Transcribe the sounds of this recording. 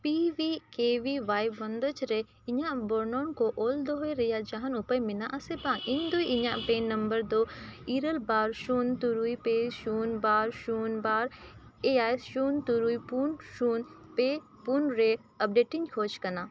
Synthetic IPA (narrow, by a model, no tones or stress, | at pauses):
piʋikeːʋiʋaːjbʋɐnd̪ət͡ʃɾe | ɪɲãboɾnoːnkoʔoːld̪oɦoeɾɐjad͡ʒaːɦɐnʊpəjmɪnãʔɐsebãːŋɪ̃nd̪uiʔɪɲãpẽːnːɐ̃mbəɾd̪oːiːɾəlbaːɾʃuːnt̪uɾuːipeːʃuːnbaːɾʃuːnbaːɾ | eːaːjsʃuːnt̪uɾuipuːnʃuːnpeː | puːnɾeː | ɐp̚ɖeːʈĩɲkʰoːt͡ʃkɐnãː